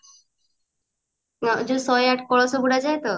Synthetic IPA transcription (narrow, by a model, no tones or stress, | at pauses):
ɔd͡ʒusɔjaʈkɔɭɔsɔbuɽad͡ʒajt̪ɔ